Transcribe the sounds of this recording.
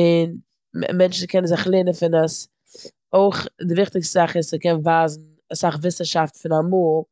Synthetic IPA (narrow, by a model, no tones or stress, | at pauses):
ɪn̰ | mɛnt͡ʃn̩kʰɛnən̩zɪχlˠeːnənfɪnəs | oɪχdɪvɪχtɪkstzaχɪsəkɛnvaːzn̩ | asaχvɪsəʃaftfɪnamuːlˠ